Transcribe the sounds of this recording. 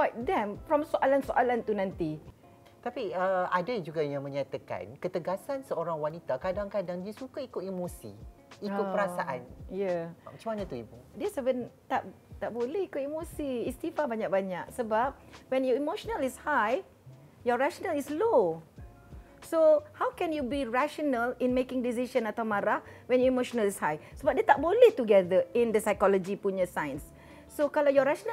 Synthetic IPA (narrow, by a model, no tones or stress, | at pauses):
bat̚dɛ̃mfɹɔ̃msoʔalansoʔalant̪unãnt̪i | t̪apiəadad͡ʒuɡajãŋmə̃ɲat̪aka̰nkət̪əɡasansəoɾaŋwanit̪akadaŋkadaŋdiəsukaikʊt̪imosḭikʊt̚pəɾasaʔanjamat͡ʃamanãt̪uibudɛsəvə̃nt̪aʔt̪aʔ̚bolɛhikʊt̪̚imosiːst̪ifabaɲak̚baɲak̚səbap̚wɛ̃njɔimoʃɔnəlishaj | jɔɹaʃɔnəlislo | sohawkɛ̃njubiɹaʃɔnəlĩnmekɪ̃ŋdis̬iʃə̃nat̪awmaɾahwɛ̃njɔimoʃɔnəlishajsəbap̚det̪aʔ̚bolit̪uɡɛdəĩndəsajkɔlɔd͡ʒipuɲəsãjə̃nsː | okalajɔɹaʃɔnə